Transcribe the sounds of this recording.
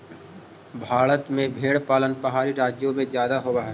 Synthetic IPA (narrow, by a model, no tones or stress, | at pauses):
bʱaːɽət̪mẽbʱeːɽpaːlənpɐɦaːɾiɾaːd͡ʒjõmẽzjaːd̪aɦoːɡɐɦa